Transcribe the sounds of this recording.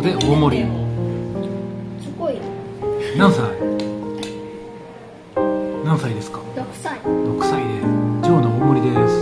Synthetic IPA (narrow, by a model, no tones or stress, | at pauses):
d̪eomoɾʲi | nãɰ̃sai | nãɰ̃said̪e̞sɨ̥kḁ | ɾokɯ̟̥said̪ed͡ʑoːnoomoɾʲid̪esɨ̥